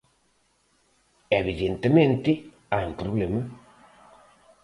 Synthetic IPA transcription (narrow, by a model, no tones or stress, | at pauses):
eβiðent̪emẽnt̪ɪ | ajumpɾoβlemɐ